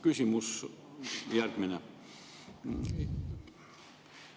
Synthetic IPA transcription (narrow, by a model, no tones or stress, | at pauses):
kysymys | jærkminæ